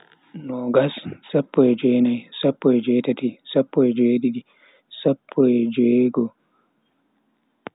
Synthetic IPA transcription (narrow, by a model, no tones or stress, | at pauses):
nɔɡassapːɔɛd͡ʒɔjnajsapːɔɛd͡ʒɛtatisapːɔɛd͡ʒeɗiɗi | sapʰːɔɛd͡ʒeɡɔ